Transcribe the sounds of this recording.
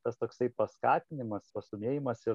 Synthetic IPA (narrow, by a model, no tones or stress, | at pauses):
t̪ɐst̪oːksɐɪpɐskɑːt̪ʲɪnʲɪmɐspɐst̪ʊmʲeːjɪmɐsɪɾ